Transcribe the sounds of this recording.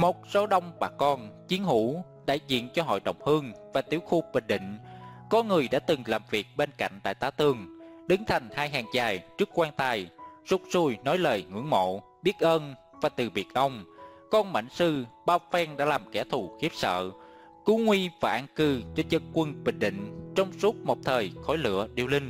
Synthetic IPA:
mo˨˩t̚so˨˦ɗə˧wŋ͡mɓaː˨˩kɔ˧nt͡ɕi˨˦ənhṵ˧˥ | ɗa̰ː˧˨jzḭ˧˨ənt͡ɕɔ˧ɦo̰˧˨jɗə̰˧˨wŋ͡mhɨ˧ŋvaː˨˩t̪i˧˩əwxu˧ɓï˨˩ŋ̟ɗḭ̈˧˨ŋ̟kɔ˨˦ŋɨ˨˩əjɗa̰ː˧˥t̪ɨ˨˩ŋlaː˨˩mvi˨˩ək̚ɓe˧nka̰˧˨jŋ̟t̪a̰ː˧˨jt̪aː˧˦wt̪ɨ˨˩əŋɗɨ˨˦ŋt̪ʰa˨˩ŋ̟haː˧jɦaː˨˩ŋt͡ɕaː˨˩jt͡ɕɨ˦˥əkːwaː˧nt̪aː˧˩jz̥ʊ˦˥k͡p̚su˧˩jnɔ˨˦jləː˨˩jŋɨ̰˧˥əŋmo̰˧˨ | ɓi˦˥ət̚ʔəː˧n | vaː˨˩t̪ɨ˨˩ɓi˨˩ət̚ʔə˧wŋ͡mkɔ˧nma̰˧˨jŋ̟sɨ˧ɓaː˧˩wfɛ˧ŋɗa̰ː˧˥laː˨˩mkɛ˧˩t̪ʰu˨˩xi˦˥əp̚sə̰ː˧˨ | ku˨˦ŋwi˧vaː˨˩ʔaː˧nkɨ˧t͡ɕe˧nzə˧nkwə˧nɓï˨˩ŋ̟ɗḭ̈˧˨ŋ̟t͡ɕɔ˧wŋ͡msu˦˥t̚mo˨˩p̚t̪ʰəː˨˩jxɔ˧˦jlɨ̰˧˨əɗḭ˧əwlï˧ŋ̟

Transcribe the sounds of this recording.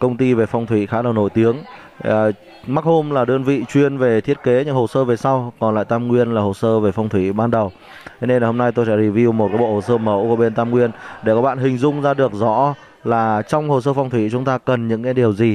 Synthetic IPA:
kə˧wŋ͡mt̪i˧ve˨˩fa˧wŋ͡mt̪ʰwḭ˧˨xaː˨˦ɗə˨˩wno̰˧˨jt̪i˨˦əŋ˩ | ma˦˥k̚ho˧mlaː˨˩ɗɨ˧ənvḭ˧˨t͡ɕwi˧ənve˨˩t̪ʰi˦˥ət̚ke˨˦ɲɨ˧ŋho˨˩səː˧ve˨˩sa˧wkɔ˨˩nla̰ː˧˨jt̪aː˧mŋwi˧ənlaː˨˩ho˨˩səː˧ve˨˩fa˧wŋ͡mt̪ʰwi˧˩ɓaː˧nɗə˨˩w | tt̪ʰe˨˦ne˧naː˨˩ho˧mna˧jt̪o˧jsɛ̰˧˥zi˨˩vi˧wmo˨˩t̚kaː˨˦jɓo̰˧˨ho˨˩səː˧mə˨˦wku˧˩əɓe˧nt̪aː˧mŋwi˧ənɗe˧˩kɔ˨˦ɓa̰ː˧˨nɦï˨˩ŋ̟zʊ˧ŋ͡mzaː˧ɗɨ˨˩ək̚zɔ̰˧˥ | laː˨˩t͡ɕɔ˧wŋ͡mho˨˩s̬əː˧fwŋ͡mt̪ʰwi˧˥t͡ɕʊ˨˦ŋ͡mt̪aː˧kə˨˩nɲɨ̰˧˥ŋkaː˨˦jɗi˨˩əwzi˨˩

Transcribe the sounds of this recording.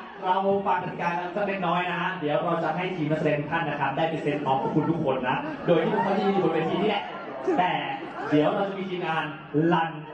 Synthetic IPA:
ɾa˧wfaː˨˩k̚ʰa˨˩i˧kaː˧ka˧kaː˥˩ne˥˧˩nnɔː˦˥jna˦˥di˩˦əwɾa˧wt͡ɕa˨˩ʔɦa˥˩jt̪ʰiː˧˩ma˦˥sa˧deː˧nt̪ʰu˥t̪ʰa˥˩nːa˦˧˩tʰa˦˥p̚daː˥˩jpe˧se˦˥˩kʰɔː˦ŋkʰuː˦˥pkʰu˧nt̪ʰu˦˥kʰo˧nːa˦˥doː˧jt̪ʰi˥˩kʰo˧˦maː˥˩t̪a˥˧˩iː˧u˨˩weː˧t̪ʰiː˧nʰiː˥˩lɛ˨˩ʔ | t̪ɛː˨˩ | di˨˦əwɾa˧wt͡ɕa˨˩ʔmiː˧t͡ɕiː˧ŋaː˧n | la˧n

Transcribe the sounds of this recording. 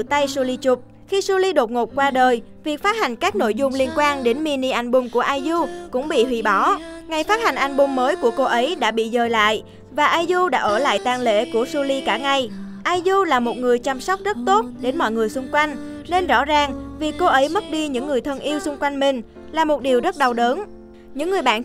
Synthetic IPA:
t̪a˧jsu˧li˧t͡ɕʊ˨˩k͡p̚ | xi˧su˧li˧ɗo˨˩t̚ŋo˨˩p̚kwaː˧ɗəː˨˩jvi˨˩ək̚faː˦˥t̚ha˨˩ŋ̟kaː˦˥k̚no̰˧˥jzʊ˧ŋ͡mli˧ənkwaː˧nɗe˨˦nmi˧ni˧ʔa˧jŋ̟ɓʊ˧˩ŋ͡mku˧˩əʔaː˧jzu˧kʊ̰˧˥ŋ͡mɓḭ˧˨ɦwḭ˧˩ɓɔ˨˦ŋa˨˩jfaː˦˥t̚ha˨˩jŋ̟ʔa˧jŋ̟ɓʊ˧ŋ͡mməː˨˦jku˧˩əko˧ʔə˨˦jɗa̰ː˧˥ɓḭ˧˨zəː˨˩jla̰ː˧˨j | vaː˨˩ʔaː˧jzu˧ɗa̰ː˧˥ʔəː˧˩la̰ː˧˨jt̪aː˧ŋlḛ˧˥ku˧˩əsu˧li˧kaː˧˩ŋa˨˩j | ʔaː˧jzu˧laː˨˩mo˨˩t̚ŋɨ˨˩əjt͡ɕa˧mswk͡p̚zə˦˥t̚t̪o˦˥t̚ɗe˨˦nmɔ̰˧˨jŋɨ˨˩əjsʊ˧ŋ͡mkwa˧jŋ̟ne˧nzɔ̰˧˥zaː˨˩ŋvi˨˩ko˧ʔə˨˦jmə˦˥t̚ɗi˧ɲɨ̰˧˥ŋːɨ˨˩əjt̪ʰə˧nʔi˧əwsʊ˧ŋ͡mkwa˧jŋ̟mï˨˩ŋ̟ | laː˨˩mo˨˩t̚ɗi˨˩əwzə˦˥t̚ɗa˨˩wɗəː˨˦n | ɲɨ̰˧˥ŋːɨ˨˩əjɓa̰ː˧˨n

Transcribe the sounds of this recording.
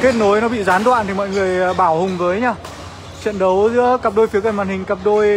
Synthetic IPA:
ke˦˥t̚no˨˦jnɔ˨˦ɓḭ˧˨zaː˨˦nɗwa̰ː˧˨nt̪ʰi˨˩mɔ̰˧˨jŋɨ˨˩əjɓaː˧˩whʊ˨˩ŋ͡mvəː˨˦jɲaː˧˩ | t͡ɕə̰˧˨nɗə˨˦wzɨ̰˧˥əka˨˩p̚ɗo˧jfi˨˦əkə˧˩nmaː˨˩nhï˨˩ŋ̟ka˨˩p̚ɗo˧j

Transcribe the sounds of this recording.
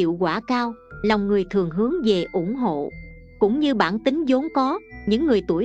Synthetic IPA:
ḭ˧˨wkwaː˧˩kaː˧wlɔ˨˩wŋ͡mŋɨ˨˩əjt̪ʰɨ˨˩əŋɦɨ˨˦əŋve˨˩ʔʊ˧˩ŋ͡mɦo̰˧˨ | kʊ̰˧˥ŋ͡mɲɨ˧ɓa̰ː˧˩nt̪ï˨˦ŋ̟zo˨˦nkɔ˨˦ɲɨ̰˧˥ŋːɨ˨˩əjt̪u˧˩əj

